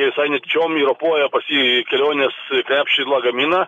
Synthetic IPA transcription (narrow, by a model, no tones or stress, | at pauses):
ʋʲɪsɐɪnʲɛt̪ʲɪt͡ʃʲoːmiːɾopuɔjɛpɐsʲikʲɛlʲoːnʲeːsklʲæːpʲʃʲt͡ʃʲɪlˠɑːɡɐmʲiːnɐ